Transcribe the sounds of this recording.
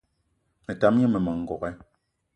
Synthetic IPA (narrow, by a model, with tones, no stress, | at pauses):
mɛ˨ta˨˦m˦ɛ˦mɛ˨ma˨ŋ˨ɡɔ˨kɛ˦